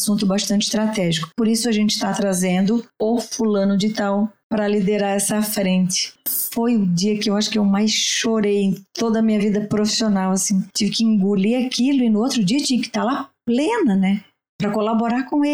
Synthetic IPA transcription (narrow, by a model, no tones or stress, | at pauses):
sũnt̪ʊbaʃt̪ɐ̃nt͡ʃɪ̥st̪ɾat̪ɛʒikʊ̥poɾisʊaʒẽnt͡ʃɪ̥t̪at̪ɾazẽnd̪ʊʊfulɐ̃nʊd͡ʒɪt̪awpɾɐlid̪eɾaɾɛsɐfɾẽnt͡ʃɪ̥fojʊd͡ʒiɐkɪewaʃʊ̥kɪewmajsʃoɾejẽj̃t̪od̪ɐmĩɲɐvid̪ɐpɾofi̥sionawɐsĩt͡ʃivɪkɪĩɡuliakilʊɪnʊowt̪ɾʊd͡ʒiɐt͡ʃĩɲɐkɪ̥t̪alaplẽnɐnɛ | pɾɐkolaboɾaɾkõe